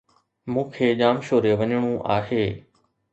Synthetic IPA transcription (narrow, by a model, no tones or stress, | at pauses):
mũːkʰeːʄaːmʃoːɾeʋəɲəɽ̃ũʔa̰ːɦeː